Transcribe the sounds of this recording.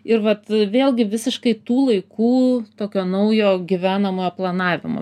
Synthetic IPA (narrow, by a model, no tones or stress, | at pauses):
ɪɾʋɐt̪ʋʲeːlˠɡʲɪʋʲɪsʲɪʃkɐɪt̪uːlˠɐɪkuːt̪oːkʲoːnɐʊjoːɡʲiʋʲæːnɐmoːjoːplˠɐnɑːʋʲɪ̰mo̰ː